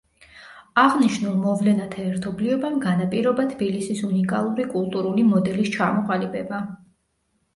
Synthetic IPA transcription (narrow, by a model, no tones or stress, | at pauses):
aʁniʃnulˠmɔvlɛnat̪ʰaɛɾt̪ʰɔbliɔbamɡanapʼiɾɔbat̪ʰb̥ilisisunikʼalˠuɾikʼulˠt̪ʼuɾulimɔd̪ɛlist͡ʃʰamɔqʼalipʰɛba